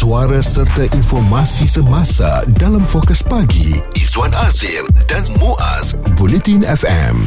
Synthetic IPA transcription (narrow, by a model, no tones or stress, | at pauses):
suaɾasərt̪aʔinfɔrmasisəmãsa̰dalamfɔkəspaɡḭ | izwanazildanmoʔa̰s | bulɛt̪inɛfɛ̰m